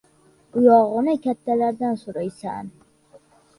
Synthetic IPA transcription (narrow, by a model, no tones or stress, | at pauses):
ʊjɒʁɨnɪkʲʰat̪ʰːalaɾd̪ansʊɾajsa̰n